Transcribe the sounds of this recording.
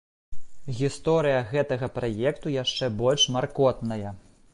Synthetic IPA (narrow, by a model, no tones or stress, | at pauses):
ɣʲist̪ɔɾɨjɐɣɛt̪ɐɣɐpɾajɛkt̪ujaʂt͡ʂɛbɔlʲʂmarkɔt̪nɐjɐ